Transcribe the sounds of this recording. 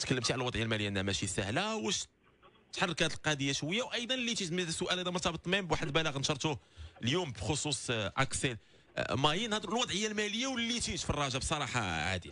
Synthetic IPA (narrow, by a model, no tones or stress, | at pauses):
t̪kəlːəmt̪iʕlælwɑd̪ʕəjaælmæləjːaʔnːæmæʃisəhlæwæʃ | t̪ːħɑrˤːkæt̪əlqɑd̪əjːæʃwəjːawʔɑjd̪ˤɑnlːit̪it̪məd̪əsːʊʔælæd̪æmɑɾt̪ɑbət̪ˤːmimbwaħəd̪bæləɣnʃɑɾˤt̪uljumbxosˤusˤʔæ̰ksəl | mæjənhæd̪lwɑd̪ˤʕəjːalmæləjːawlːit̪it̪fɑrˤːɑʒabsˤɑɾˤɑħɑ̰ʕa̰d̪ḭ